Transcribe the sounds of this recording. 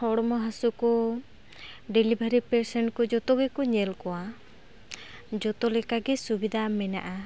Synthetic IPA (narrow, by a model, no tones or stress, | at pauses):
hɔɽɔmɔɦasukɔ | ɖelibʱaɾipɛɾsɛnkɔd͡ʒɔt̪ɔɡɛkɔɲɛlkɔwa | d͡ʒɔt̪ɔlɛkaɡɛsubid̪ʱamɛna̰ʔa